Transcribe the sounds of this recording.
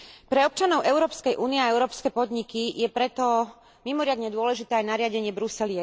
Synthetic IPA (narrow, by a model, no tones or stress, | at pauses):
pɾɛɔp̚t͡ʃanɔʊʔɛʊɾɔːpskɛjʔuːniɛaɛʊɾɔːpskɛpɔd̪ɲikijɛpɾɛt̪ɔ | mimɔɾɪad̪ɲɛd̪ʊɔlɛʒit̪ɛːajnaɾɪaɟɛɲɪɛbɾusɛliɛ